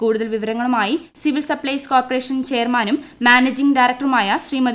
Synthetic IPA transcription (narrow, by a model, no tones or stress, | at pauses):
kuːɽuðɐlʋiʋɐɾɐŋːɐɭumaːji | siʋilsɐplɐjskoːrpːɐreːʂɐnt͡ɕeːrmaːnumːaːneːd͡ʑiŋɖaːjɾɐk̚ʈɐrumaːjɐɕriːmɐd̪